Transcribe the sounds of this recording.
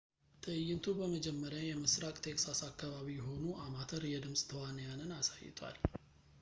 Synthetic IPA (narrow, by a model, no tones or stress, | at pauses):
t̪ʰɨɨjːɪnt̪ʰubəməd͡ʒɛmːəɾjajɛməsɾakʼt̪ʰe̞ksasakːaβaβijɛɦo̞nuʔamat̪ʰəɾjɛd̪ɨmsʼt̪ʰəwanəjanɨnasajːɪ̰t̪ʼʰwa̰l